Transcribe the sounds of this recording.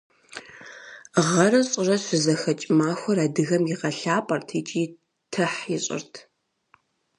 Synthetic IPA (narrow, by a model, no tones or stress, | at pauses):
ʁɐrɐɕʼɪrɐɕʷʊzɐxɐt͡ʃʼɪmaːxʷɔraːdɨɣɐmjɪʁɐɬaːpʼɐrtʰeːt͡ʃʼiː | tʰɐħjɪɕʼɪ̰rtʰ